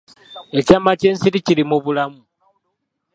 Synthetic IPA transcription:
e̞camaceːnsiɾiciɾimuβulamu

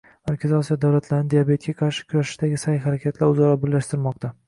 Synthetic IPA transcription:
maɾkʲʰazɪɒsijɒd̪awlat̪ʰlaɾnɪd̪ijabe̞t̪̚ɡʲaqʰɑɾʃɪ̥kʲʰʊɾaʃɪɪd̪aɡʲɪsajɦaɾakʲʰat̪ʰlaɾʊzaɾɒbʊɾlːaʃt̪ɪɾmɒq̚t̪ʰa

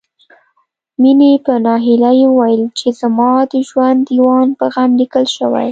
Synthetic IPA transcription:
minepənɑɦilajewəwajəlt͡ʃezamɑd̪əʒwand̪jwɑnd̪̚pəɣamlikəlʃəwa̰j

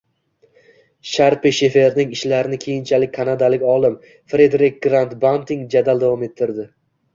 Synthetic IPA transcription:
ʃaɾpiʃe̞fe̞ɾnɪŋɪʃlaɾɪnɪkʲʰe̞jɪnt͡ʃʰalɪkʲkʰanad̪alɪkʲɒlˠɪm | fɾe̞d̪ɾɪk̚ʲɡɾant̪bant̪ɪŋd͡ʒad̪alˠd̪avɒme̞t̪ʰːɪɾd̪ɪ

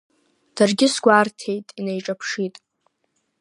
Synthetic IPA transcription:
d̥arɡʲɪsɡʷartʰe̞jtʼinejʈ͡ʂʼapʰʂitʼ

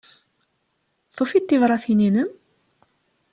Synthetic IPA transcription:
t̪ofit̪ːivɾˤɑθininəm

